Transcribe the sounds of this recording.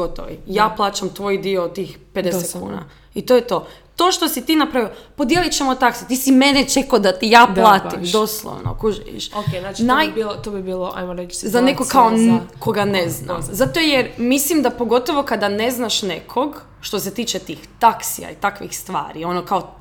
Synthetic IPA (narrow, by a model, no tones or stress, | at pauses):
ot̪o̰ʋḭjaːplˠaːt͡ʃamt̪ʋo̞jid̪iot̪ixped̪eset̪kṵːna̰ | it̪ojet̪o̞ːt̪o̞ːʃt̪o̞sit̪iːnapɾaʋiopo̞d̪jelˠit͡ɕemot̪aksit̪iːsimenet͡ʃekod̪at̪ijaːp̪lˠaːt̪imd̪o̞slˠo̰ʋno̰kuʒiʋḭʃokenat͡ʃnajbilot̪obibiːlˠoʔa̰jmoɾet͡ʃzanekoɡkːaoko̞ɡanezna̰zat̪ojeɾmislimd̪apo̞ɡo̞t̪oʋo̞kad̪ane̞znaʃnekʰoɡ | ʃt̪ose̞t̪iːt͡ʃet̪iːxt̪aksḭa̰it̪akʋixst̪ʋa̰ːɾio̞nokao